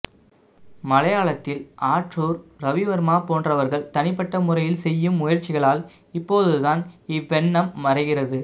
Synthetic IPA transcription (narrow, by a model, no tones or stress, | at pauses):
mɐlɐjaːɭɐt̪ːɪlʔaːʈruːɾɾɐʋɪʋɐɾmaːpoːndrɐʋɐɾɣɐɭt̪ɐnɪpːɐʈːɐmʊrɐjɪlsɛjːɯmʊjɐɾt͡ʃːɪɣɐɭaːl | ɪpːoːðɯðaːnɪʋːɛɳːɐmːɐɾɐɪɣɪrɐðɯ